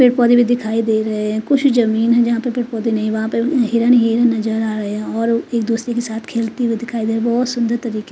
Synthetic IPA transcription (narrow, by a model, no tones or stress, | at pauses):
pɪːʈ̚pɔːd̪ibʱid̪ɪkʰaːid̪eːɾɐɦeɦɛ̃kʊt͡ʃʰzɐmiːnɦɛ̃d͡ʒɐɦãpɐɾpɪːʈpɔːd̪inɐɦĩʋɐɦãpeɦiːɾaniɦiːɾanɐzəɾaːɾɐeɛ̃ɔːɾeːkd̪uːsɾekesaːt̪ʰkʰeːlt̪iʋid̪ɪkʰaːid̪eːɾbɔːt̪sʊ̃nd̪əɾt̪ɐɾiːke